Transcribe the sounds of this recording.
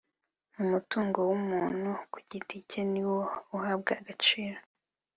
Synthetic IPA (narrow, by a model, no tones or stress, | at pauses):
mumutuːŋɡo̞wumuːn̥huku̥ɟiticeniwouhaːb̚ɡaaɡat͡ʃiːɾo